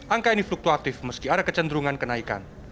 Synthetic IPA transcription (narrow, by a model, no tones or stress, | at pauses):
ʔaŋkainifluk̚t̪uat̪ɪfməskiaɾakət͡ʃənd̪ɾuŋankənaika̰n